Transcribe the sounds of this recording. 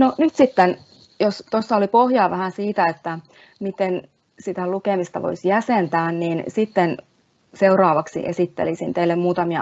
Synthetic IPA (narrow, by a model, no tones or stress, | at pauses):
nonyt̪sit̪ːen | jost̪osːɑolipohjɑːʋæhænsiːt̪æet̪ːæ | mit̪en | sit̪ælukemist̪ɑʋo̰isjæsent̪æːnniːnsit̪ːen | seurɑːʋɑksḭʔḛsit̪ːḛlisint̪eilːemmuːt̪ɑmiɑ